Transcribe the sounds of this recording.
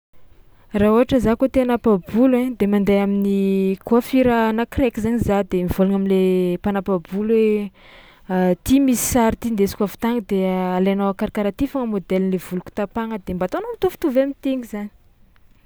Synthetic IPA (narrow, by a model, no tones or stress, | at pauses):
raɦuɦaʈ͡ʂəzakot̪eanapabuluɛ̃d̪emand̪ejaminikuafiɾənakrekizaɲizad̪emivoluŋaminlepanapabuluwe | t̪imisi̥saɾit̪ind̪esi̥kʲavi̥t̪aŋəd̪ealenawakaɾkaɾat̪ifaŋəmod̪ɛlnlev̥uluku̥t̪apaŋəd̪embat̪onamit̪ufu̥t̪uveamint̪iŋizani̥